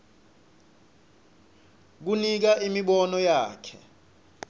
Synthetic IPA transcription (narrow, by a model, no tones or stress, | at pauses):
k̬unik̬aʔimiɓɔnɔjaːkʰɛ